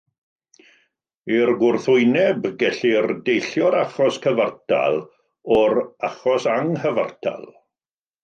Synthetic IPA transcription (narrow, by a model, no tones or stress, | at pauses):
irɡʊrθʊɨnɛbɡɛɬirdejɬjɔɾaχɔskʰəvartʰa̰lˠ | ɔɾaχɔsaŋhəva̰rtʰa̰lˠ